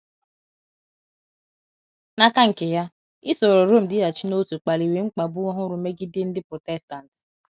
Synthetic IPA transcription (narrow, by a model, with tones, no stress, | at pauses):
na˨ka˦ŋ̩˨ke˨ja˦ | i˦so˨ɾo˨ɾo˦˨m̩˨dɪ˦a˨t͡ʃi˦no˦tu˨k͡pa˨li˨we˨ŋ͡m̩˦k͡pa˨bʊ˦ɔ˦ɦʊ˦ɾʊ˨˦me˦ɡɪ˦dɪ˦n̩˦dɪ˦pɾo˨tɛ˦sta˨n̩˨t